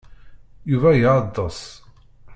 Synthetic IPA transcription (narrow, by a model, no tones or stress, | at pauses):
juvæjʕɑd̪ˤːɑs